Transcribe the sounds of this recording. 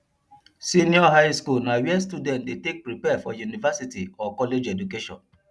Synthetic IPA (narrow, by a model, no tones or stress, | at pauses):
sĩniɔɦaɪskulnawɛstudɛ̃ntdetek̚pɹipɛfɔ̰junivasitiɔkɔled͡ʒɛdukeʃɔ̰̃n